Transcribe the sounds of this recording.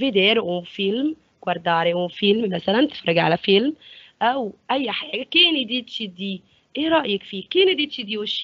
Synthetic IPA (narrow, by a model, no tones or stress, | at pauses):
vid̪eɾeʔumfilm | kwɑɾˤd̪ɑːɾeʔumfilmmæsælænt̪ɪ̥fɾˤɑɡʕa̰læfɪlmʔæwʔæjːħaːɡækeːnid̪it̪ʃid̪iː | ʔeːɾˤɑʔjekfiːkeːnid̪it̪ʃid̪iːweʃ